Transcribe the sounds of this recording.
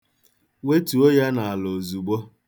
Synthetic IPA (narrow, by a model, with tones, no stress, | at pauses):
we˦tu˨o˦ja˦na˨a˨lo˨zu˨ɡ͡bo˦